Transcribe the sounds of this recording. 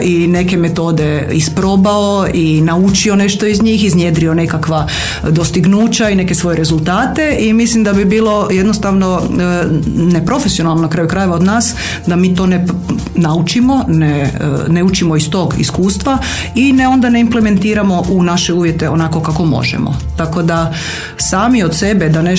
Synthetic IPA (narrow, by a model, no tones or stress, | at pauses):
ʔine̞ke̞me̞t̪o̞ːd̪e | ispɾobaoinaut͡ʃio̞ne̞ʃt̪o̞izɲiːxiznjed̪ɾio̞ne̞kakʋa | d̪o̞st̪iɡnuːt͡ɕaine̞kesʋo̞jeɾe̞zulˠt̪aːt̪e̞imislimd̪abibiːlo̞je̞d̪nost̪aʋno̞ | nepɾo̞fesio̞nalˠnonakɾaːjukɾaje̞ʋaod̪naːs | d̪amiːt̪one | naut͡ʃimo̞neneut͡ʃimoist̪o̞ːɡḭskuːst̪ʋa | ineo̞nd̪ane̞imple̞me̞nt̪iːɾamo̞ʔunaʃeuːʋjet̪eonako̞kako̞mo̰ʒɛ̰mo̰t̪ako̞d̪a | saːmiot̪se̞bed̪ane